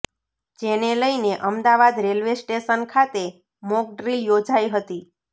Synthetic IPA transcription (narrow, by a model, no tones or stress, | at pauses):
d͡ʒeneləjneʔəmd̪aʋad̪ɾelʋesʈeʃənkʰat̪e | mok̚ɖɾiljod͡ʒajɦət̪i